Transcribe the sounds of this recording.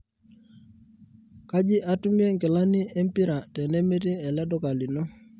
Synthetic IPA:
ka˦d͡ʒɪ˦ʔa˦tu˦mi˦e˦ŋkɪ˨la˦ni˦e˦m˦pi˦ɾa˨tɛ˨ne˦me˦ti˦ɛ˨lɛ˦dɔ˦ka˨li˨no˦

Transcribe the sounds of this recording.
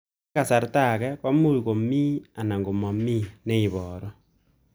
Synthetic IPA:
a˨sa˨ɾta˦˨kɛ˦pa˦mu˦˨ko˨mi˦a˨na˨ŋɡo˨mɔ˨mi˦ne˦i˨βɔːɾɔ˦

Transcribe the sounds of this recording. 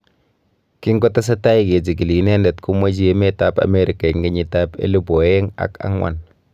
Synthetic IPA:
ki˦ŋɡɔ˦ta˦s̬a˦ta˦ji˦ke˨d͡ʒi˨ɡi˨li˨ne˦ndɛ˨tku˦ma˦d͡ʒi˦je˦me˦ta˦pa̰˨me˦ɾi˨ka˨i˨ŋɡi˦ɲi˦ta˦pḛ˦lu˦bo˨je˦ŋa̰˨ka̰˦ŋwa̰˨n

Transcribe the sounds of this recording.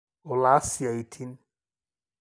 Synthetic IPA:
ɔ˨laː˨˦si˨a˨i˨t̪ʰi˦n

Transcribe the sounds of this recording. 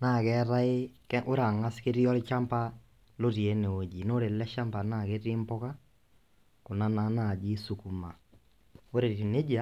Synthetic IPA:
naː˦˨kɛ˦ɾa˦ɪ˦kʔo˦ɾa˨ŋa˦ske˦ɾi˦ɔ˦lt͡ʃa˦mpa˦ | lo˦ɾi˨e˨˦ne˨o˨d͡ʒi˨no˦ɾe˨lɛ˦ʃa˦mpa˨na˦˨ke˦ti˦mpɔ˦ka˦ | ko˨na˦na˨˦na˨d͡ʒi˦su˨ku˨ma˨ | o˦ɾe˨ti˨ne˦d͡ʒa˦

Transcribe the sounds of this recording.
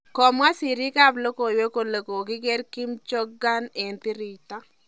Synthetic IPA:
kɔ˨mwa˦sɪ˨ɾi˦ka˦plo˦ko˨jwe˦ko˨le˨ko˨kɪ˦ɡɛ˦ɾkɪ˦mt͡ʃɔ˦ɡa˦ne˨ntɪ˦ɾi˨ta˦

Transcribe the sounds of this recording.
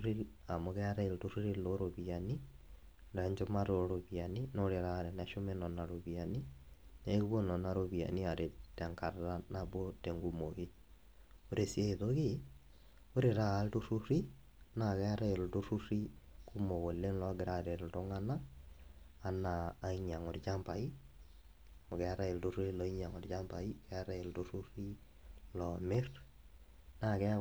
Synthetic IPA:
ɾi˦ | a˨moɣɛɾa˦e˨lto˦ɾu˦ɾiloɾoβiani | nɾaɲd͡ʒomaɾoɾoβianinɔɾe˨ɾa˨ɾɛnaʃo˦mɛnɔ˨na˨ɾoβianineɣuβo˦nɔ˨na˨ɾoβia̰ni˦aɾe˨tɛŋka˨ɾɾanaβwɔtɛŋɡumoɣe | oɾesia˦iðoɣe | o˦ɾe˨ɾaː˦ltu˦ru˦ri˦ | na˦˨kɛ˦a˦ɾa˦e˨ltu˦ru˦ɾi˦ku˦mo˨ɣo˨le˦nlɔ˦ɡɪ˨ɾa˨ɾe˨ltɔ˦ŋa˦naː˦˨ | naː˨˦i˦ɲa˨ŋɔ˨ɾt͡ʃa˦mpa˨i˦ | mɔ˨kɛ˨a˦ɾa˦e˨ltu˦ɾlɔ˨i˦ɲa˨ŋɔ˨rt͡ʃa˦mba˨i˦kɛ˦a˦ɾa˦e˨ltu˦ɾu˦ɾi˦ | lɔ˨mɪ˦r | na˦˨kɛ˦

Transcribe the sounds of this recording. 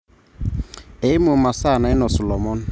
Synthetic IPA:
e˨ɪ˦mʊ˨ma˨sa˦˨na˨ɪ˦nɔ˨sɔ˨lɔ˨mɔ˦n˦

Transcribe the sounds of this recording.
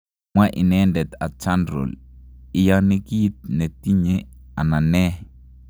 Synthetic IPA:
mwa˦ʔi˨nɛndɛ˨t̪a˨t͡ʃa˦ndɾɔ̰˨lɪ˨jani˦ki˦it̪̚nɛ˨t̪i˦ɲea˨na˨nɛ˦

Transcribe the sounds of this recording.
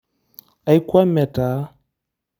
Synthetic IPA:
a˨i˦kʷwa˦mɛ˨ta˨˦

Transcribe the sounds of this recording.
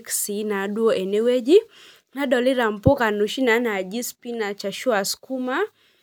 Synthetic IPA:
ksi˨˦na˨˦du˦ɔ˦ʔe˨ne˦we˦d͡ʒi˦ | na˦dɔ˨li˦ɾa˨m̩pɔ˦ka˨nu˨ʃi˦na˨˦na˨d͡ʒi˦spi˦na˨t͡ʃa˨ʃu˦a˨sku˦ma˦

